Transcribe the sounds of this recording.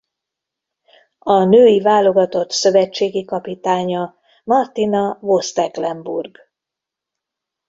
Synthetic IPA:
ɒnøːjivaːlo̞ɡɒt̪o̞t̪sø̞vɛt͡ʃːeːɡikɒpit̪aːɲɒ | mɒrt̪inɒvo̞st̪ɛklɛmbṵrɡ

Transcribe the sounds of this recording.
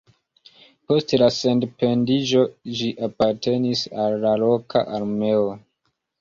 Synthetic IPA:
po̞stlase̞ndpe̞ndid͡ʒo̞d͡ʒiʔapaɾte̞nisalːalo̞kʰa̰ʔaɾme̞o

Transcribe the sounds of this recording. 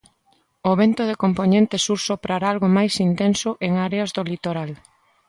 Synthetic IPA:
oβent̪oð̞ekomponẽnt̪esuɾsopɾaɾaalɣomajsint̪ensoʔeŋaɾeazðolit̪oɾal

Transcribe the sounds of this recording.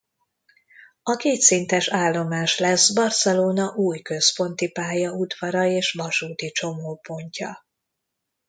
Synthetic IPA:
ɒkeːt̪sint̪ɛʃaːlːo̞maːʃlɛsbɒrsɛloːnɒʔuːjkø̞spo̞nt̪ipaːjɒud̪vɒɾɒeːʃvɒʃuːt̪it͡ʃo̞moːpo̞ɲcɒ̰

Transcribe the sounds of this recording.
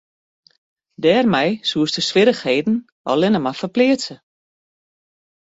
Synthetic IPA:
dɛːrmɛjsuəstəsʋɪɾəxheːdn̩ | ʔɔ̰lɪnəmafəplɪəsə

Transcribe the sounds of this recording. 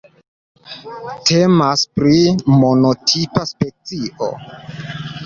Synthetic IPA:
tʰe̞maspɾimo̞no̞tʰipaspe̞t͡siʔo̰

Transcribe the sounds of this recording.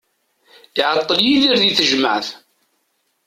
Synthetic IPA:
ðiʕɑt̪ˤːəljiðiɾðiθəʒməʕθ

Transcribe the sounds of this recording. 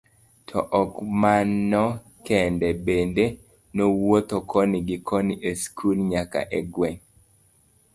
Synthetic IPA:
tʰɔ̰ʔɔkmanɔ | kɛndɛbende | nowot̪okʰɔniɡɪkʰɔniʔeskʰulɲaka̰ʔɛɡwɛŋ

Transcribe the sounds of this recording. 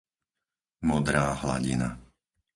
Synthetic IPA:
mɔd̪ɾaːɦla̰ɟḭna̰

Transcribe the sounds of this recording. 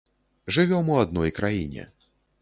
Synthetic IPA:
ʐɨvʲɔmuad̪nɔjkɾajinʲɛ̰

